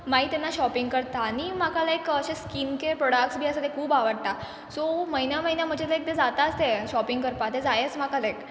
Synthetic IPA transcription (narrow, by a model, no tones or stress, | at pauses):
mait̪enːaɕɔpiŋɡkəɾt̪aːɽ̃imakalaekəɕẽskinkepɾɔɽakʈsbʱiːəsat̪ekʰuːbaʋəɽt̪a | soməɦinjaməɦinjam̤əd͡ʑet̪əek̚t̪ed͡zat̪at͡st̪eɕɔpiŋɡkəɾpat̪ed͡zajet͡sm̤akalek